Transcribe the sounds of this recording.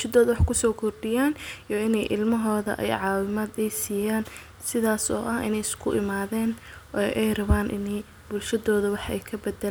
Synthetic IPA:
ʃɐðɔːðɐwɑħkʰʊsɔːkʰɔrɖɪjaːnjɔɪnɛjʔɪ̰lmɐɦɔːðɐ̰ʔɛ̰jʕɑːwɪmaːd̪ɛjsiːjaːn | sɪðaːsɔ̰ːʔɐhɪ̰nɛjɪskʰʊʔɪmaːðɛːnʔɔʔɛjrɐβaːnʔɪnɛj | b̥ʊlʃɐðɔːðɐwɑħʔɛjkʰɐbɐd̪ɛl

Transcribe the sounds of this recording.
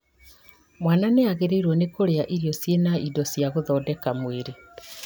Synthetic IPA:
mwaːnaneaɣeɾeiɾwɔnekoɾeaʔiɾijɔsjenaidɔsjaɣoðɔːdɛkamweɾe

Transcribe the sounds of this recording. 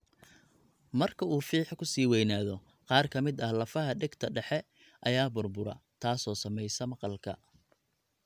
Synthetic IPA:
mɐrkʰɐuːfiːħkʰʊsiːwɛjnaːðɔ | qɑːrkʰɐmɪd̪ɐhlɐfɐɦɐɖɛɡt̪ʰɐɖɛħɛ | ʔɐjaːbʊrbʊɾɐ̰t̪ʰaːsɔːsɐmɛjsɐmɐqɑlkʰɐ̰

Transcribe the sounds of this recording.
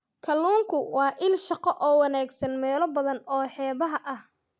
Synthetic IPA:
kʰɐlːuːŋkʰʊwɑːʔɪlʃɑqɔʔɔːwɑnaːɡsɐnmɛːlɔbɐðɐnɔːħɛːβɐɦɐʔɐh

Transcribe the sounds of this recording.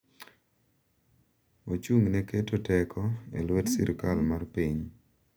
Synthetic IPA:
ot͡ʃuŋneketotɛkʰɔḛlwɛtsḭɾkalmarpiɲ

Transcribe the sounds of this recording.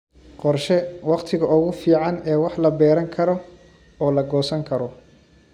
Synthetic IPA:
qɔrʃɛwɑqt̪ʰɪɣɐʊɣʊfiːʕɑnɛːwɑħlɐbɛːɾɐŋkʰɐɾɔ | ɔːlɐɡɔːsɐŋkʰɐɾɔ

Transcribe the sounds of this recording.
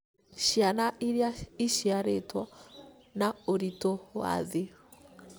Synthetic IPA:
ʃianaʔiɾjaiʃiaɾetwɔ | naoɾitowa̰ðe

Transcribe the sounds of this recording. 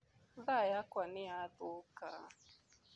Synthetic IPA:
ðajakwanɪatʊka̰

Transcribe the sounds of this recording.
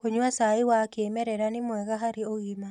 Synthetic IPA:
koɲuasaiwakeːmɛɾɛɾanemwɛɣaɦaɾioɣima

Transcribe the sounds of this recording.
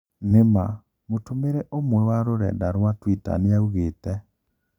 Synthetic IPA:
nema | motomeɾɛʔomwɛwaɾoɾɛ̰daɾwatwita̰neauɣeːtɛ

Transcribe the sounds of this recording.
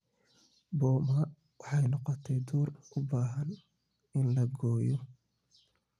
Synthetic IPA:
bɔːmɐ | wɑħɑjnɔqɔt̪ʰɛjd̪uːrʊbaːɦɐn | ɪnlɐɡɔːjɔ

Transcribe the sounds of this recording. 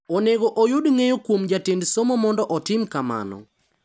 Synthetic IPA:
oneɡoʔojʊdŋejokwomd͡ʒatendsomomɔndɔʔɔtɪmkama̰nɔ̰

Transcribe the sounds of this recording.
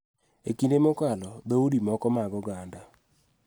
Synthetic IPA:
ekindemokalɔd̪oudimɔkɔmaɡɔɡanda

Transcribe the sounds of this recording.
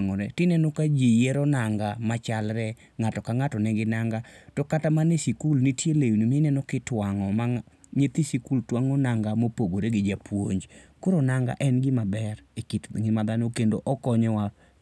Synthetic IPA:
ŋɔɾɛtɪnɛnɔkad͡ʒijɛɾɔnaŋɡamat͡ʃalɾɛ | ŋatɔkaŋatɔnɛɡɪnaŋɡatɔkatamanɪsikulnitjelejunimɪnɛnɔkɪtwaŋɔma | ɲet̪isikultwaŋɔnaŋɡamopoɡoɾeɡɪd͡ʒapwo̰ɲd͡ʒkoɾonaŋɡa̰ʔɛnɡɪmabɛɾekitŋɪmad̪anokendoʔɔkɔɲɔwa

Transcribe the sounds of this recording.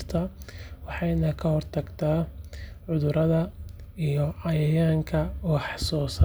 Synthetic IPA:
rt̪ʰɐwɑħɑjnɐkʰɐhɔrt̪ʰɐɡt̪ʰaːʕʊðʊɾɐðɐijɔʕɑjɐjaːŋkʰɐwɑħsɔːsɐ

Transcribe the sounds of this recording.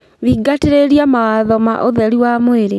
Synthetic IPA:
βiːɡateɾeɾjamawaðɔma̰ʔoðɛɾiwamweɾe

